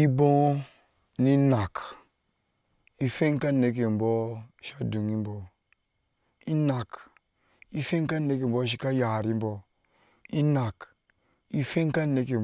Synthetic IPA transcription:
i˦bõ˦ | ni˦na˨k | i˦fe˦ŋ˦ka˦ne˨k̬e˨m̩˨bo˦ʃa˦du˨ŋi˦m̩˦bo˨ | i˦na˨k | i˦fe˦ŋ˦ka˦ne˦k̬e˨m̩˨bo˦ʃ̬i˦ka˦ja˨ɾi˦m̩˦bo˨ | i˦na˨k | i˦fe˦ŋ˦ka˦ne˨k̬e˨

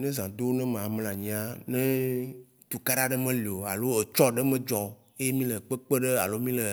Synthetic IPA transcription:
nɛ̃˦zã˨d̪o˦nɛ̃˦mẽ˨a˨m˦lã˨ɲĩ˨˦a˦nɛ̃˦ | t̪u˨ka˦ɖa˦ɖe˦mẽ˦li˨o˨a̰˨lo˦e˨t͡ʃɔ˦ɖe˦mẽ˦d͡ʒɔ˨ | e˦je˦mĩ˦lə˨k͡pə˦k͡pe˦ɖe˦a̰˨lo˦mĩ˦le˨

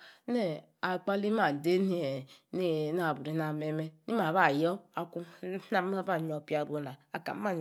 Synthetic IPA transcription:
ne˦˨ | a˨k͡pa˦li˦ma˨n̩˨de˦ni˦e˨ne˦˨˦na˨bu˨ɾi˨˦na˨me˦me˦ni˦ma˨βa˦˨jɔ˦a˨ku˦a˦m˦a˦ba˦˨ɲ˨o˨pi˦a˨bo˨˦na˨a˨ka̰˨m˦a˦˨n

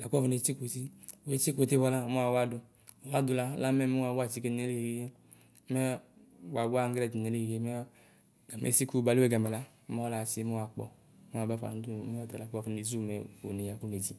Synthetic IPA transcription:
la˨kɔ˦fne˨˦t͡ʃi˦ko˨si˦˨we˦t͡ʃi˦ko˨˦te˦vɔ˦la˦mɛ˦a˨wa˦dʊ˧ | o˨wa˦du˨la˦la˦mɛ˦mɛ˦a˨wa˦˨t͡ʃi˦ke˧ne˦le˦i˨i˨je˦ | mɛ˦ | wa˨wu˦a˦˨ŋ˦ɡlɛ˦˨d͡ʒi˨ne˨le˦i˨e˦mɛ˦ | ɡa˨mḛ˨˦si˦ku˦ba˨li˦e˦ɡa˨mɛ˨la˦ | mɛ˦ɔ˦la˨se˦mɛ˦wa˨k͡pɔ̰˨˦ | mɛ˦a˨ba˦fa̰˨˦du˦˨mɛ˦ɔ˦tɛ˨la˨kɔ˦˨fn˨e˨zu˦˨mɛ˨o̰˨ne˨ja˨ku˦ne˨d͡ʒi˨

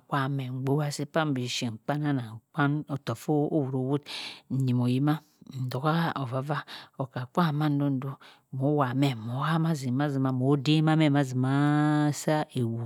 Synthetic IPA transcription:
kʷa˦˨me˨ŋ͡m̩˨ɡ͡bo˦wa˦si˦pa˦m˦bi˨ʃi˨ŋ͡m̩˨k͡pa˦na˦na˨k͡pa˦no˨to˨fo˦o˦wu˨ɾo˨˦wu˦tn̩˨ɲi˨mo˨ji˦ma˦ | n̩˨do˨ka˦o˨va˨va˦o˨ka˨k͡pʷa˦˨ma˦n̩˦do˦n̩˦do˦ | mo˨˦wa˨me˨mo˨˦ha˦ma˦zi˨ma˦zi˨ma˨mo˨˦de˦ma˦me˦ma˦zi˨ma˦sa˦e˨wu˨

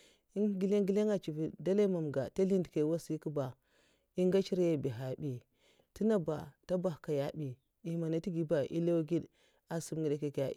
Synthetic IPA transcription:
i˦ŋ˦ɡi˦le˦ŋɡi˦le˦ŋa˨t͡ʃi˨vi˨da˦la˦ma˨m˨ɡa˨ta˦li˦ndke˨wa˦si˦ku˦ba˨ | i˦ŋɡa˦t͡ʃi˦ɾja˦˨bi˨ɦa˨bi˨ | ti˦na˦ba˨ta˦ba˨hka˨ja˦bi˨ | i˨˦ma˨na˨ti˦ɡi˨ba˨ʔḭ˦la˦wɡi˦d | a˨su˦mŋɡi˨da˨ka˨ka˨

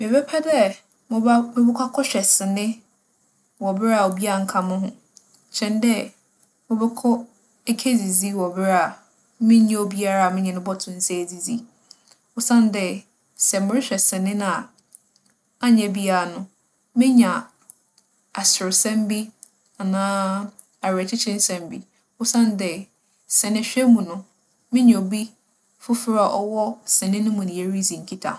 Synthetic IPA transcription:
mɪ̃˨bɛ˦pʰɛ˦dɛ˦ | m˨mɪ̃˦bɛ˦kʰʷa˦kʰɔ˦ɕᶣɛ˨sɪ˨nɪ̃˦ | wɔ˨bɪ˦ɾa˦˨o˨bi˦a˦˨ŋ̩˨kʰã˨mʊ̃˦ɦʊ̃˦ | t͡ɕʰɛ̃˨ndɛ˦ | mɪ̃˦bɛ˦kʰɔ˦ | e˦kʰe˦d͡zi˨d͡zi˦wɔ˨bɪ˦ɾa˨ | mɪ̃˦ɲã˦o˨bi˦a˦ɾa˦˨a˨mɪ̃˦ɲɛ̃˨nʊ̃˦bɔ˦tʰʊ̃˨n̩˨sɛ˦˨d͡zi˨d͡zi˦ | o˨sã˦n˦dɛ˦˨ | sɛ˨mʊ̃˨ɾɪ˦ɕᶣɛ˨sɪ̃˨nɪ̃˦nã˨ | a˦ɲɛ̃˨bi˦a˦ɾa˨nʊ̃˦ | mɪ̃˦ɲã˨ | a˨sɪ˨ɾɪ˨sɛ̃˦m˦bi˦ | a˨nãː˦ | a˨ɾɛ˨t͡ɕʰɪ˦t͡ɕʰɪ̃˦n˦sɛ̃˨m˦bi˦ | ʊ˦sã˦n˦dɛ˨ | sɛ˨nɪ̃˦˨ɕᶣɛ˦mũ˨nʊ̃˦ | mɪ̃˦ɲɛ̃˨o˨bi˦ | fʊ˦fɪ˦ɾa˨ʔɔ˦wɔ˦sɛ˨nɪ̃˦nʊ̃˦mʊ̃˨nɪ̃˨je˦ɾi˦zĩ˨ŋ̩˨kʰi˦tʰa̰˨

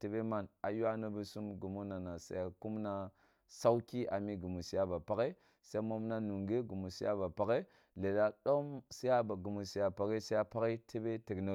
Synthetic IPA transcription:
ti˦be˦ma˨na˨ju˦a˦na˦bə˦su˦mɡu˨mu˦na˨na˨sa̰˨˦ja˨ku˦mna˦ | sa˦wu˦ki˦ʔa˨mi˦ɡu˨mu˨si˨ja˦ba˨pa˦ke˦ | sa˦mo˦mna˦nu˨ŋɡe˦ɡu˨mu˨sḭ˦ja̰˦ba˨pa˨˦ke˦ | le˨la˦ɗo˦msi˦ja˦ba˨ɡu˨mu˨si˨ja˨pa˨ɣe˦sa˦a˦pa˦ke˦te˦be˦tə˨kna˨

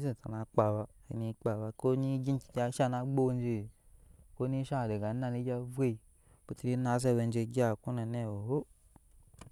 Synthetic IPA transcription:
ze˨ta˨na˨k͡pa˨ba˧ḭ˨ni˧k͡pa˨βa˧ko˦ni˦ɡi˦n˦ki̥˨ka˧˦ʃa˦˧na˧ɡ͡bo˦n˦d͡ʒe˧˨ko˦ni˦ʃa˦˨de˨ɡa˨˦na˧ni˦d͡ʒʲa˦vʷe˦i˨ | ku˨˦ti˧ɾi˦na˨˦s̬e˦˨we˧n˦d͡ʒe˧ɡʲa˦˨ku˦na˨ne˦˨o˨o˦

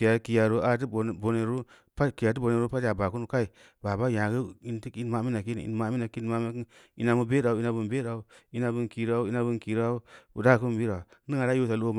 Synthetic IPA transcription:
ki˨a˨ki˨ja˨ɾo˨˦a˦t̬ɨ˦bo˨bo˨ne˨ɾu˦ | pa˦ki˨ja˨t̬bo˨ne˨ɾu˦pa˦tja˨ba˨ku˦nu˨ka˦i˨ | ba˨ba˦jã˨ɡə˦˨i˦nti˦ki˦n˦ma˦˨˦mi˦na˨ki˦n˨ḭ˨˦n˦ma˦mi˦na˨ki˦n˦ma˦mi˦k | ḭ˦na˨mu˦be˦da˨u˦i˦na˨bu˨nbe˦ɾa˨u˦i˦na˧bɨ˧nki˨ɾa˦u˦i˦na˧bu˦nki˨ɾa˦u˦ṵ˨da˦˨ku˦m˨bi˦ɾa˨nɨ˦ŋa˨ɾa˦ju˦sa˨lo˦

